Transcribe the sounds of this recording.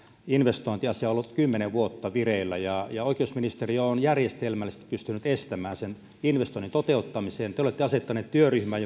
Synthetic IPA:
inʋest̪oˑint̪iɑsiɑolːut̪kymːeneʋʋuot̪ːɑʋireilːæjɑjɑoikˑeusminist̪erionjærjest̪elmælːist̪ːpyst̪ynyt̪est̪æmæːnsen | inʋest̪oinint̪ot̪eut̪ːɑmiseːnt̪eolet̪ːeɑset̪ːɑneːt̪t̪yøryhmæː

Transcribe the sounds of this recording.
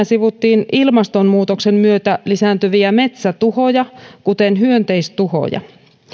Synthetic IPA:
æsiʋut̪ːiːnilmɑst̪o̞mmuːt̪okse̞mmyøt̪ælisæːnt̪øʋiæme̞t̪sæt̪uho̞jɑkut̪enɦyønt̪e̞ist̪uho̰jɑ̰

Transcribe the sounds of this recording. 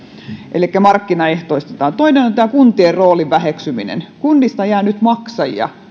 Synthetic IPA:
ʔḛlikːæmɑrkːinɑeht̪oist̪et̪ɑːnt̪oinenont̪æːkunt̪ierroːliʋʋæheksymḭnḛnkunːist̪ɑjæːnyt̪mɑksɑjjɑ̰

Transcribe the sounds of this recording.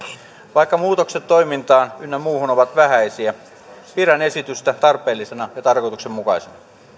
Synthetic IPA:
ʋɑikːɑmuːt̪o̞kset̪t̪ːo̞jmint̪ɑːnynːæmuːhunoʋɑt̪ʋæhæisiæ | piɾæne̞sit̪yst̪æt̪ɑrpˑe̞ːlːisenɑjɑt̪ɑrko̞jt̪uksemmukɑisenɑ

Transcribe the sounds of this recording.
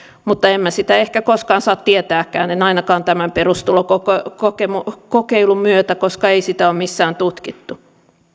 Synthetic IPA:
mut̪ːɑemmæsit̪æehkækoskɑːnsɑːt̪t̪iet̪æːkːæːnenɑinɑkɑːnt̪æmæmperust̪ulokokokokemukokeilummyøt̪ækoskɑeisit̪æommisːæːnt̪ut̪kit̪ːu

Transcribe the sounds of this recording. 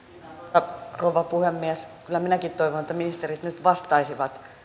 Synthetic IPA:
tɑroʋɑpuhemːiæskylːˑæminækit̪t̪ːoiʋonet̪ːæminist̪eɾit̪nyt̪ʋɑst̪ɑisiʋɑt̪

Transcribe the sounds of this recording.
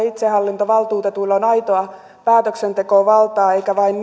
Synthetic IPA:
it̪sehɑlːint̪oʋɑlt̪uːt̪et̪ulːonɑit̪oɑ | pæːt̪øksent̪ekoːʋɑlt̪ɑːeikæʋɑinː

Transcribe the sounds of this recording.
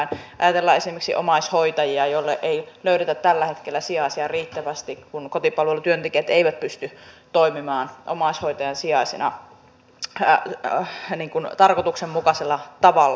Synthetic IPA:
nʔɑ̰jɑt̪elːɑesimerksḭʔo̰mɑishoit̪ɑjiɑjolːeʔeiløyɾet̪æt̪t̪ælːæhet̪kelːæsiɑisiɑriːt̪ːæʋæst̪ikkunkot̪ipɑlʋelːut̪yønt̪ekeːt̪eiʋæt̪̚pyst̪yt̪oimimɑːnʔo̰mɑishoit̪ɑjɑnsiɑisinɑ̰ | niːŋkunt̪ɑrkot̪uksemmukɑselːɑt̪ɑʋɑlː

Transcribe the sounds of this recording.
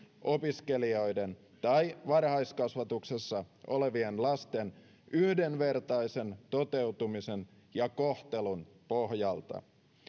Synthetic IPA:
ʔopiske̞lio̞jden | t̪ɑjʋɑrhɑjskɑsʋɑt̪uksesːɑʔo̞̰le̞ʋienlɑst̪en | ʔyhdenʋe̞rt̪ɑjse̞nt̪o̞t̪e̞uwt̪umisen | jɑkoht̪e̞lun | poɦjɑlt̪ɑ̰

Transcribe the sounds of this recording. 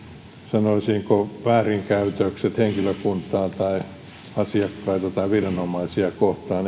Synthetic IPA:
sɑnoisiŋkoʋæːriŋkæyt̪økset̪heŋkiløkunt̪ɑːt̪ɑi | ɑsiɑkːɑit̪ɑt̪ɑiʋirɑnomɑisiɑkoht̪ɑːn

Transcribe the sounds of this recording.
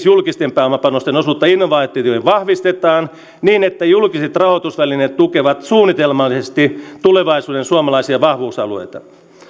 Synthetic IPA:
sjulkist̪empæːmɑpɑnost̪enosuːt̪ːɑinːoʋɑːt̪ːˑiːt̪ohiʋɑhʋist̪et̪ɑːn | niːnet̪ːæjulkiset̪rɑhot̪usʋælinet̪t̪ukeʋɑt̪suːnːit̪elmɑlːisest̪it̪uleʋɑisuːdensuɑmɑlɑisiɑʋɑhʋuːsɑ̰luḛjt̪ɑ̰

